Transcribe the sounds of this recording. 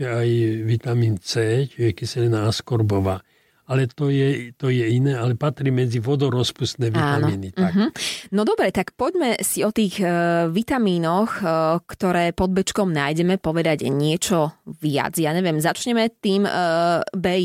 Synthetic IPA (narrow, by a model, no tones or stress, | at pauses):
ɛajʋit̪amiːnt͡sɛːt͡ʃiɛkisɛlɛnaaskɔɾbɔʋaː | alɛt̪ɔjɛt̪ɔjɛinɛːalɛpat̪ɾiːmɛd͡ziʋɔd̪ɔɾɔspust̪nɛːʋat̪ːnmiːnit̪ːaɦ̩nɔd̪ɔbɾɛt̪akpɔɟmɛsiɔt̪iːɣʋit̪amiːnɔxkt̪ɔɾɛːpɔd̪̚bɛt͡ʃkɔmnaːjɟɛmɛpɔʋɛd̪aɟɲɪɛt͡ʃɔʋɪa̰d͡zjaːɲɛʋjɛmzat͡ʃɲɛmɛt̪iːm | bɛ